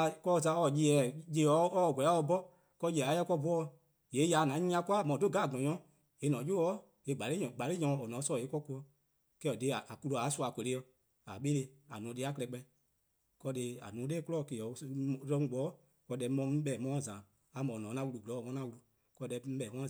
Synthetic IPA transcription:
kɔ˧˨zã˧˦ɔ˧˨ji˧ɛ˨je˧˦ɔ˨˦ɔ˦˨ɡʷɛ˨˦a˦ɔ˧˦bɔ˦ | kɔ˧˦ji˧˨ɛ˨a˨˦jɛ˦kɔ˦bu˨˦ɔ˧ | je˨˦ja˨nã˨˦ɲĩ˦ã˧˦ku˦a˦˨mɔ̃˨do˦˨ɡa˦˨ɡɔ̃˨ɲɔ̃˨˦ | je˨˦nɔ̃˨˦jo˦ɔ˦ | e˧˦˨ɡ͡ba˨le˦ɲɔ̃˨ɡ͡ba˨le˦ɲɔ̃˧˨ɔ˨nɔ̃˨˦sɔ˧˨e˨˦kɔ˦ku˧˦ɔ˧ | kɛː˦˨ɔ˨de˦a˨ʔa˨ku˧lo˧˨a˨˦su˦a˨kʷe˨le˦ɔ˧ | a̰˨ɓe˦le˧a̰˨nũ˨˦de˧˦a˦klɛ˧˦k͡pɛ̃˧˦ | kɔ˧˦de˧˨a̰˨nũː˨˦deː˦ku˦lɔ˦˨ke˨ɔ˨˦˧ɾɛ̃˧˦ŋ̩˦ɡ͡bɔː˨˦ | kɔ˧˦dɛ˧˦mɔ̃˧m̩˦ɓɛː˨mɔ̃˧˦˨zãː˨ | a˨mɔ̃˨nɔ̃˨˦nã˧˦wu˧lu˨ɡɔ˨˦˨mɔ̃˧˦ã˧˦wu˧lu˧ | kɔ˧dɛ˧m̩˦ɛː˨mɔ̃˦

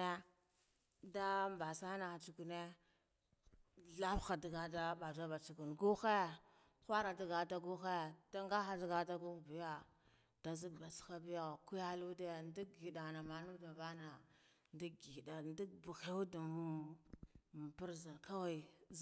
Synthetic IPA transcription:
e˦ | da˦mba˨sa˦na˨xa˨t͡ʃu˨ku˨ne˦ | ɮa˦fxa˨di˨ɡa˨da˦ba˨d͡ʒa˦ba˨t͡ʃu˨ku˨nɡu˦xe˦ | xʷa˦ɾa˨di˨ɡa˨da˦ɡu˦xe˦d̥a˦ŋɡa˦xa˨da˨ɡa˨da˦ɡu˦˨bi˨ja˦ | d̥a˨zi˦˨ba˨sxa˦bi˦ja˨ku˦ja˦lu˦de˦˨ndi˦ɡi˨da˨na˨ma˨nu˦da˨ba˦na˨ | ndi˦ɡi˨i˨da˨ndi˦bu˨xe˦u˦da˨˦˨ | bi˦ɾza˨ka˦wa˨z

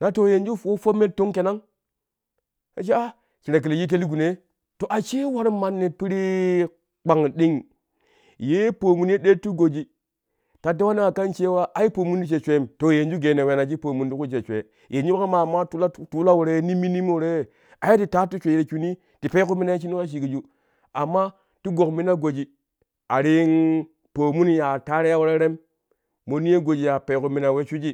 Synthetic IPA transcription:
na˦to˨je˨nd͡ʒu˦˨wo˦fo˦me˦to˦ŋke˨na˦ŋ | a˨t͡ʃi˦a˦ | t͡ʃi˨ɾe˨k̬i˨le˨ji˦t̬e˦li˦ɡu˨ne˦ | to˨ʔa˨t͡ʃe˦wa˦ɾi˦ma˨nːe˨pi˦ɾi˦ | k͡pa˨ŋɗi˦ŋ | je˦po˨mu˨n˦e˦ɗe˦tːu˦ɡo˨d͡ʒi˨ | ta˨de˦wa˦ne˦a˨ka˦nt͡ʃe˦wa˦ʔa˨ji˦po˨mu˦ndi˦t͡ʃe˨t͡ʃʷe˦˨mto˨je˨nd͡ʒu˦ɡe˨ne˨we˨na˨d͡ʒi˦po˨mu˨ndi˦ku˦t͡ʃe˨t͡ʃʷḛ˨ | je˨nd͡ʒu˦ka˦ma˨mːa˦tu˦la˦tu˦la˦wu˨ɾe˦ni˦mi˦ni˦mo˦˨ɾe˦˨ | a˨ja˦ti˨ta˦tu˦t͡ʃʷe˨ɾe˨ku˦ni˦ | ti˨pe˦ku˦mi˦na˦je˦t͡ʃ̬i˦ni˦ka˦ʃ̬i˨ɡi˨d͡ʒu˦ | a˨mːa˦ | tu˦ɡo˨kmi˦na˦ɡo˨d͡ʒi˨ | a˨ɾi˦n | po˨mu˦nja˨ta˦ɾe˦ja˦wu˦ɾe˦ɾe˦m | mo˨ni˦je˦ɡo˨d͡ʒi˨ja˨pe˨ku˨mi˨na˨we˦t͡ʃu˦d͡ʒi˦

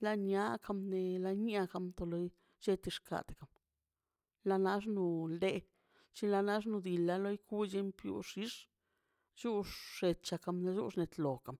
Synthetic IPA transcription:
la˧ɲa˦kʰa˧mne˧la˧ɲ˦a˧ka˧mt̪o˧lo˦j | t͡ʃe˦t̪i˧ʂkʰa̰˨d̪ka˨m | la˧na˦ʂ̬nu˧ld̪e˧ | t͡ʃi˦la˧na˦ʂ̬nu˧d̪i˨la˧˦lo˦jku˦d͡ʒe˧˦mpjṵ˧ʂi˦ʂ | t͡ʃu˦ʂːe˧tt͡ʃa˧ka˧mna˧d͡ʒṵ˦ʂne˧˨t̪lo˨ka˨m

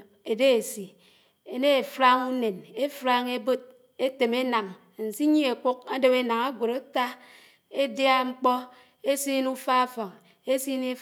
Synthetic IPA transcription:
e˨de˦e˨si˨ | e˨ne˦e˨fɾa˦ŋu˦ne˨ne˦fɾa˦ŋe˦bo˦t̚ | e˦te˨me˦na˨ŋ˨ | n̩˨si˦ɲi˦e˨ku˦k̚a˦do˦we˦na˨ŋa˦ɡʷo˨ɾa˦ta˦ | e˦dja˦ŋ͡m̩˦k͡pɔ˦ | e˦si˦nu˦fa˦a˦fɔ˨ŋ | e˦si˦ne˦

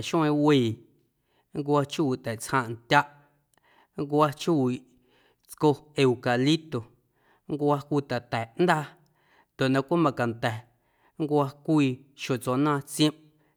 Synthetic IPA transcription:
ʃũ˦ẽ˧wiː˧˨ | ŋkʷa˧t͡ʃu˦˨t̪ɛ˨ʔt͡shã˧ʔnt̪ʲa˦ʔ | ŋkwa˧t͡ʃu˦wi˧˨ʔ | t͡sko˧e˧u˧ka˨li˦t̪o˨ | ŋ˦kʷa˧kʷiː˧t̪a˨t̪ɛ˨ʔnd̪aː˦˧ | nd̪o˨ʔnã˧kʷa˦mã˧ka˨nt̪ɛ˨ | ŋkʷa˧kʷiː˧ | ʃo˨t͡soː˧nãː˦˧t͡sjə̃˦m

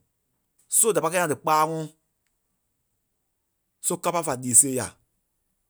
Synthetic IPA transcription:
so˦˨da˨pa˧kɛ˦ã˧˨dɨ˨k͡paː˦ŋɔ̃˦ | so˦ka˦pa˦fa˨liː˨seː˦ja̰˨

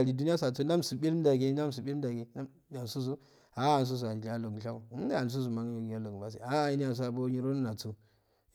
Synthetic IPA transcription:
a˨li˨du˦ni˦a˦s̬a˨t͡so˦na˦m˨su˨ɓi˦lda˨ɡe˦na˦m˨su˨ɓi˦da˨ɡe˨na˦ | a˨su˦s̬u˦ | a˨˦a˨ns̬u˦s̬u˨a˨ja˦lo˨ɡɬa˦u˨˦a˨n˨s̬u˦z̬u˨ma˨ŋ˦o˨ja˦lo˨ɡba˦s̬ḭ˨a˦˨i˦ni˦a˨ns̬a˨bo˦ɲi˦ɾo˦n˦na˨t͡su˦

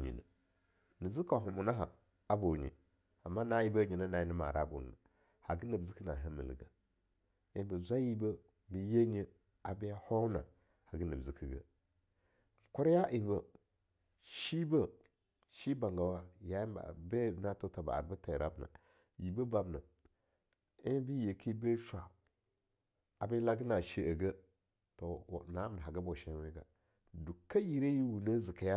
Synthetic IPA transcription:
ɲḭ˨na̰˨ | ni˨zi˦ka˨ɦu˨mu˨na˦ɦa̰˨ | a˦bo˨ɲḭ˨ | a˨mːa˦na˦ji˦ba˦ɲi˨na˦na˨i˦nə˦ma̰˨ɾa˦bo̰˨n˨na˨ | ha˨ɡi˦nə˨bzi˦ki˦na˨ɦə˦mḭ˨lḭ˨ɡa˨ | i˨˦bə˨zʷa˦ji˦bə˦ | mi˨je˦ɲə˦ | a˨ba˦ja˦ho˦na̰˨ | ha˨ɡə˦nə˨bzi˨ki˨ɡa˦˨ | kʷu˦ɾja˦ʔi˨m˦bə˨ | ʃi˦bə˦ | ʃi˦ba˨ŋɡa˨wa˦ja˨˦ba̰˨be˦˨˦na˦to˦ta˨ba̰˨a̰˨ɾba˦ta˨ɾʔa˦bna̰˨ | ji˨bə˦ba˨bna˨ | i˦bi˦je˨kʰi˦be˦ʃʷa˨ | a˨be˦la˦ɡi˦na˨ʃi˦ə˨ɡə˦ | to˨na˨˦bna˨a˨ɡa˦bo˨ʃe˦we˦ɡa˨ | du˨ka˦ji˨ɾe˦ji˦wu˨nə˦zi˨ka˨ja˦

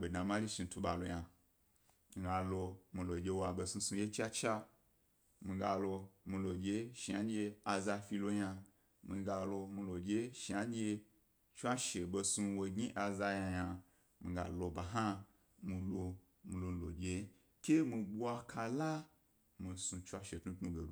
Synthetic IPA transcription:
be˨dã˨ma˦li˦ʃi˧tu˧ɓa˧lo˧ja˧ | mi˧ɡa˧lo˧mĩ˨˧lo˨d͡ʒʲe˧wa˨be˧sũ˧sũ˧˦je˦t͡ʃa˦t͡ʃa˦ | mĩ˧ɡa˧lo˧mi˧lo˨d͡ʒʲe˧ʃi˨a˨˦d͡ʒʲe˧a˧za˧fi˧lo˧ɲa˧ | mĩ˧ɡa˧lo˧mi˧lo˨d͡ʒʲe˧˦ʃi˨a˦d͡ʒʲe˧ | t͡ʃʷa˦ʃe˨be˧sũ˧wo˧ɡʲi˦ʔa˧za˧ɲa˧ɲa˧ | mĩ˧ɡa̰˨lo˧ba˨ɦa˦ | mĩ˧lo˧ | mĩ˧lo˧lo̰˨d͡ʒʲe˧ | kʲe˦mĩ˧bu˦a˧kʰa˧la˦ | mĩ˧sũ˧t͡ʃʷa˦ʃe˨tnu˦tnũ˦˧ɡe˨lu˨

